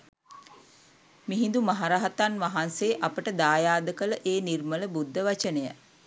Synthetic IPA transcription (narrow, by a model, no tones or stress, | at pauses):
miɦind̪umaɦaɾaɦat̪anʋaɦanseːʔapəʈəd̪aːjaːd̪əkələʔeːnirmələbud̪ʱːəʋat͡ʃənejə